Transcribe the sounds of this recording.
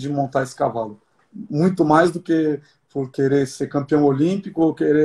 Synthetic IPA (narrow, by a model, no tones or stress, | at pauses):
d͡ʒɪmõnt̪aesɪ̥kavalʊ | mũj̃t̪ʊmajzd̪ʊke | poɾkeɾeɾseɾkɐ̃mpiɐ̃w̃olĩpikʊokeɾe